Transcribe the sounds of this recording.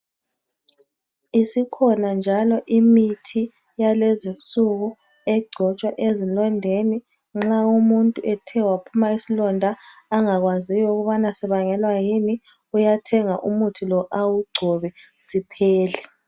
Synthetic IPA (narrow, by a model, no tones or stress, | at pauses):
isikʰɔnand͡ʒʱalɔʔimitʰi | jalezint͡sʼuɣu | ɛɡ͡ǀʱɔt͡ʃʼwaʔezilɔndʱeni | ŋ͡ǁaumuntʼuʔɛtʰɛwapʰumaisilɔndʱaːŋaɣwazijɔuɣuβanasɛβaŋɛlwajini | ujatʰɛŋaʔumutʰulɔʔawuɡ͡ǀʱɔβɛsipʰɛːlɛ